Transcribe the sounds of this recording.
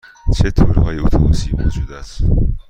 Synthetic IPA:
t͡ʃʰet̪ʰoɾhɒːjeot̪ʰomusiːvṵd͡ʒuːd̪æs

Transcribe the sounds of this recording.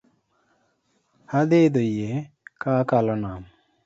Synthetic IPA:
had̪ed̪oje | kakalɔnam

